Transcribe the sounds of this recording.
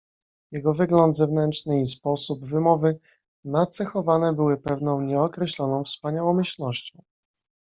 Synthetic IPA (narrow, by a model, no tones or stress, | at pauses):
jɛɡɔvɘɡlɔnd̪zɛvnɛntt͡ʂʂnɘispɔsubvɘmɔvɘ | nat̪sɛxɔvanɛbɘwɘpɛvnɔ̃w̃ɲɛɔkɾɛɕlɔnɔ̃w̃fspaɲawɔmɘɕlnɔɕt͡ɕɔ̃w̃